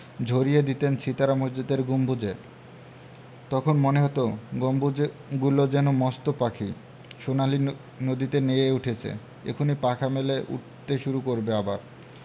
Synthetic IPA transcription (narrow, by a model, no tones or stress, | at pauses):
d͡ʑʱoɾijed̪it̪ent͡ɕʰit̪aɾamosd͡ʑod̪eɾɡumbʱud͡ʑe | t̪ɔkʰonmoneɦɔt̪oɡombud͡ʑeɡulod͡ʑɛnomɔst̪opakʰi | ʃonali | nod̪it̪enejeuʈʰet͡ɕʰḛ | ḛkʰonipakʰameleʔṵʈ̚t̪eʃuɾukoɾbeabaɾ